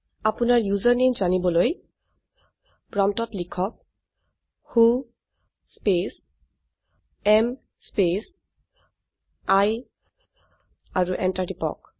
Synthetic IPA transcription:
apunaɹjuzaɹnemzanibɔloj | pɹamtɔtlikʰɔk̚ | xũ | spes | ɛm | spes | aj | aɹuʔɛntadipɔ̰k̚

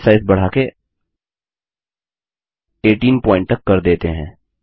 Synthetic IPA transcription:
saːɪzbɐɽ̤aːke | eːʈiːnpɔ̃ːɪ̃ɳʈ̚t̪əkːɐɾd̪eːt̪eɦɛ̃ː

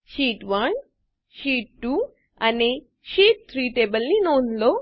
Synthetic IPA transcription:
ɕiːʈʋən | ɕiːʈʈuː | ane | ɕiːʈ̚t̪ʰɾiːʈebəlninond̪lo

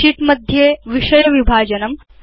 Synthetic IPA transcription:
iʈməd̪ʱjeʋiʂɐjəʋibʱaːd͡ʒɐnɐm

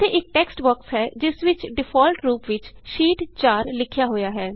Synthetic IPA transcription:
t̪eːʔɪk̚ʈɛːksʈbɔːksɦɛːd͡ʒɪsʋɪt͡ʃɖɪpʰɔːlʈɾuːpʋɪt͡ʃʃiːʈt͡ʃaːɾlɪkʰjaːɦoːjaːɦɛː

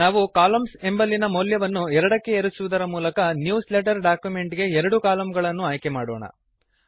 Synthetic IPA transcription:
aːʋukaːlɐmse̞mbɐlːinɐmoljɐʋɐnːuɛɾɐɽɐkːe̞eɾusuʋud̪ɐɾɐmuːlɐkɐnjuːsleʈɐɾɖaːkjume̞ɳʈɡe̞ɛɾɐɽukaːlɐmɡɐɭɐnːuaːjke̞maːɽoːɳɐ̰

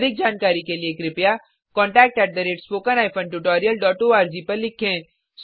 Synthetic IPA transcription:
d̪ɪk̚d͡ʒaːnkaːɾikelieːkɾɪpja | kɔ̃ːɳʈɛːk̚ʈɛːʈ̚d̪ɐɾeːʈspoːkənaːɪpʰə̃nʈuʈɔːɾijəlɖɔːʈoːaːɾd͡ʒiːpɐɾlɪkʰːẽː | s

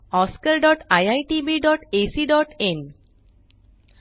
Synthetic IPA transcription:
ɔskəɾɖɔʈajajʈibiɖɔʈesiɖɔʈẽn

